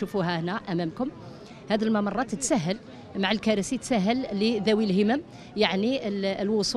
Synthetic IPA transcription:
ufuɦæhnæʔæmæmkʊm | hæd̪əlmɑmɑrˤːɑt̪t̪sæɦːəl | maʕəlkæɾəsit̪sæɦːəlːid̪æwilhəməm | jaʕniəlwʊsˤu

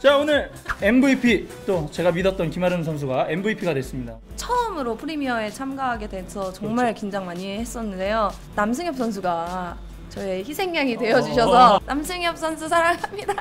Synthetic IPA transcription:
t͡ɕaonɯɭ | e̞mbɯipʰit͈ot͡ɕe̞ɡamidʌt̚t͈ʌnkimaɾɯns̬ʰʌns̬ʰuɡae̞nbuipʰiɡadwe̞s͈ɯmɲidat͡ɕʰʌmɯɾopʰɯɾimiʌe̞t͡ɕʰamɡaɦaɡe̞dwesʰʌt͡ɕʌŋmaɭkind͡ʑaŋmaɲieɦes͈ʌnːɯnde̞jo | nams̬ʰɯŋjʌp̚s͈ʰʌns̬ʰuɡa | t͡ɕʌeçisʰe̞ŋɲaŋidwe̞jʌd͡ʑuɕ̬ʰʌsʰʌnamsʰɯŋjʌp̚s͈ʰʌnsʰusʰaɾaŋamɲida

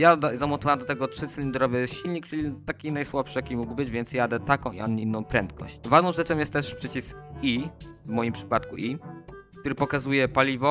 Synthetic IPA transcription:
jad̪zamɔt̪ɔvawamd̪ɔt̪ɛɡɔtʂɘt̪sɛlʲind̪ɾɔvɛɕilɲikt͡ʂɘlʲit̪akʲinajswapʂɨjakʲimuɡbɘd͡ʑvʲjɛnt̪sjad̪ɛt̪akɔ̃w̃ʔḭɔɲːɛinːɔ̃w̃pɾɛnt̪̚kɔ̰ɕt͡ɕvaʐnɔ̃w̃ʐɛt͡ʂɔ̃mjɛst̪ːɛʂpʂɘt͡ɕisk̚ivmɔjimpʂɘ̥pat̪kuʔikt̪uɾɘpɔkazujɛpalʲivɔ

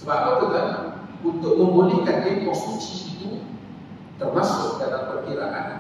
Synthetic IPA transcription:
səbakat̪uk̪aunt̪ʊʔ̚məŋbonikanekɔnst̪ɾuk̚siːt̪u | t̪ərmasʊk̚dalampərkiɾaʔa̰n

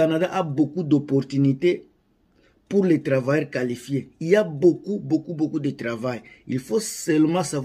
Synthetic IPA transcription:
anad̪aʔabokud̪ɔpɔʁt̪ynit̪e | puʁlet̪ɾavajɛʁkalifjeilabokubokubokud̪et̪ɾavajḭlfosɛlmɑ̃sav

